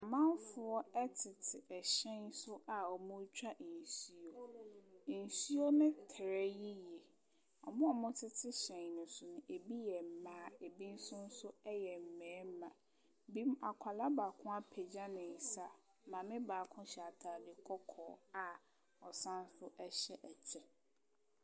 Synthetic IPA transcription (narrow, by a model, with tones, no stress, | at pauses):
mã˦n˦fʊ˨ɔ˦ɛ˦tʰɪ˨tʰɪ˨ʔɛ˨ɕɛ̃˦nsʊ˦ʔa˨ɔ˨mʊ̃˦t͡ɕᶣa˦ʔ̩˨n̩˨si˦o˨ | n̩˨su˦o˦nɪ̃˦tʰɾɛ˦ji˦jɛ˨ | ɔ˨mʊ̃˦ɔ˨mʊ̃˦tʰɪ˦tʰɪ˦ɕɛ̃˨ɲnʊ̃˨sʊ˨nʊ̃˨ʔe˨bi˦jɛ˨m̩˨mãː˨˦e˨bi˦n̩˦sʊ̃˦n̩˦sʊ˦ɛ˦jɛ˨m̩˨mɛ̃ː˨˦m̩˦mã˨ | bi˦ma˨kʷʰa˨la˦baː˨kʰʊ̃˦a˦pʰɛ˨d͡ʑã˦nɪ̃˨n̩˨sa˦ | mã˨mɪ̃˦baː˨kʰʊ̃˦ɕɛ˨a˨tʰaː˨dɪ˨kʰɔ˦kʰɔ̰ː˨a˨ | ɔ˨sã˦n˦sʊ˦ʔɛ˦ɕɛ˦ʔɛ˨t͡ɕʰɛ˨